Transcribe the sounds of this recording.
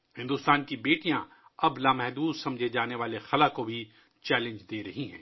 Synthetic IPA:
hɪ̃nd̪ʊst̪aːnkibeːʈijã | ɐblaːmɛɦd̪uːd̪sɐ̃md͡ʒʱed͡ʒaːneʋaːlexɐlakobʱi | t͡ʃɛːlɪ̃nd͡ʒd̪eːɾɐɦiɦɛ̰̃ː

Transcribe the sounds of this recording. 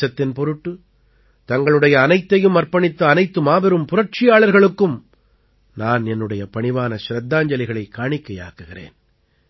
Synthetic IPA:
ɐt̪ːɪnpɔɾɯʈːɯ | t̪ɐŋɡɐɭɯɽɐjɐːnɐɪt̪ːɐjɯmːɐɾpɐɳɪt̪ːɐːnɐɪt̪ːɯmaːbɪɾɯmpʊɾɐr̚t͡ʃɪjaːɭɐɾɣɐɭɯkːɯm | naːnɛnːɯɽɐjɐpɐɳɪʋaːnɐʃɾɐd̪ːaːɲd͡ʒɐlɪɣɐɭɐɪkːaːɳɪkːɐja̰ːkɯɣɪrḛːn

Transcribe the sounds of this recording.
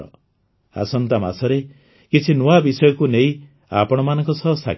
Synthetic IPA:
ɔ̰ | a̰sɔnt̪ama̰sɔɾe | kit͡ʃʰinoabisɔjɔkunejĩ | apɔɽ̃ɔmanɔŋkɔsɔɦsʰa̰

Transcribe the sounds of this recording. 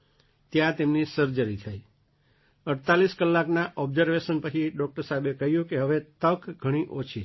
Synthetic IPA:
t̪jãt̪emnisəɾd͡ʒəɾit̪ʰaj | əɽt̪aliskəlːaknaʔɔbzəɾʋeʃənpət͡ʃʰiɖɔk̚ʈəɾsabekəɦjũkeɦəʋet̪əkɡʱəɽ̃iʔot͡ʃʰi

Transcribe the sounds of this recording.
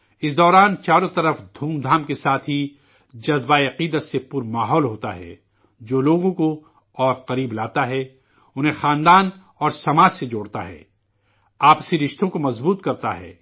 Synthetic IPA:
ɪsd̪ɔːɾaːnt͡ʃaːɾõt̪ɐɾəfd̪ʱuːmd̪ʱaːmkesaːt̪ʰɦi | d͡ʒɐzbaeɐqiːd̪ət̪sepʊɾmaːɦɔːlɦoːt̪a̰ɦɛ̰ː | d͡ʒoːloːɡõko | ɔːɾqɐɾiːblaːt̪aɦɛ | ʊnɦẽxãːnd̪aːn | ɔːɾsɐmaːd͡ʒsed͡ʒoːɽt̪a̰ɦɛ̰ː | aːpsiɾɪʃt̪õkomɐzbuːt̪kɐɾt̪a̰ɦɛ̰ː

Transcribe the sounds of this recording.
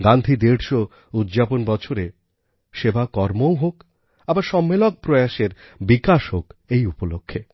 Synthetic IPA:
ɡand̪ʱid̪eɽʃo | ud̪d͡ʑaponbɔt͡ɕʰoɾe | ʃebakɔɾmowɦok | abaɾʃɔmːelok̚pɾɔeaʃeɾbikaʃɦokejupolokʰːe

